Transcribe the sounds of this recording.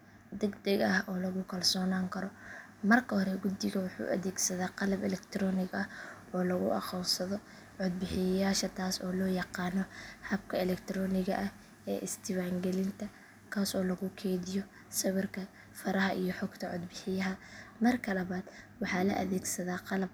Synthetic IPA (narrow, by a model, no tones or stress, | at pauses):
d̪ɛɡd̪ɛɡɐhʔɔːlɐɣʊkʰɐlsɔːnaːŋkʰɐɾɔ | mɐrkʰɐhɔɾɛɡʊd̪ɪɣɐwʊħṵːʔɐ̰ðɛːɡsɐðaːqɑlɐbɛlɛkt̪ʰɾɔːnɪɡɐh | ɔːlɐɣʊʔɑ̰qɔwsɐðɔ | ʕʊd̪̚bɪħɪjɐjaːʃɐt̪ʰaːsɔːlɔːjɑqɑːnɔhɐbkʰɐɛlɛkt̪ʰɾɔːnɪɣɐ̰ʔɐh | ɛ̰ːʔɪst̪ʰɪwaːŋɡɛlɪnt̪ʰɐ | kʰaːsɔːlɐɣʊkʰɛːðɪjɔ | sɐβɪrkʰɐ | fɐɾɐɦɐʔijɔħɔɡt̪ʰɐʕʊd̪bɪħɪjɐɦɐmɐrkʰɐlɐβaːd̪̥wɑħɑːlɐ̰ʔɐ̰ðɛːɡsɐðaːqɑlɐb̚